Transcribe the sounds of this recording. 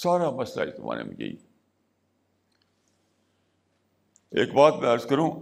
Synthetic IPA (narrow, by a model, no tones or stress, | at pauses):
saːɾaːbɐst̪a̰ːḭt̪ʊma̰ːɾḛmḛ̃ɡḛḭ | ḛːkbaːt̪mɛ̃ɐɾzkəɾũː